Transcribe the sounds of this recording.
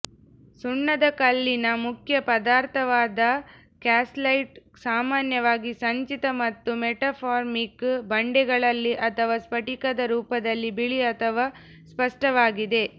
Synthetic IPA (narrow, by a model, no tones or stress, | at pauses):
suɳːɐd̪ɐkɐlːinɐmukʰjɐpɐd̪aːɾt̪ʰɐʋaːd̪ɐ | kaːslɐjʈ | saːmaːnjɐʋaːɡisɐɲt͡ʃit̪ɐmɐt̪ːumeʈapʰaːɾmikbɐɳɖɛɡɐɭɐlːiʔɐt̪ʰɐʋaːspɐʈikɐd̪ɐɾuːpɐd̪ɐlːibiɭiɐt̪ʰɐʋaː | spɐʂʈɐʋaːɡid̪e̞